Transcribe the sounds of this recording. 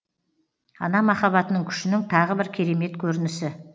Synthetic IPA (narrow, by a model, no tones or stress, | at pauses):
ɑ̰nɑmɑχɑβɑt̪ənəŋkʲʰʏ̥ʃɪnɪŋt̪ʰɑʁəbɪɾkʲʰe̞ɾe̞me̞t̪kʲʰɵɾɪnɪsɪ